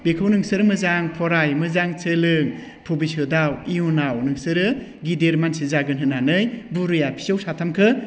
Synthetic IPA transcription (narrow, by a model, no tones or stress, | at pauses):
bekʰawnɯŋsɯɾɯmɯzaŋpʰɔɾajmɯzaŋt͡ʃɯlɯŋ | pʰobisɯdawiunawnɯŋsɯɾɯ | ɡideɾmansizaɡɯnɦɯnanɯjbuɾɯjapʰi̥sawsatʰamkʰɯ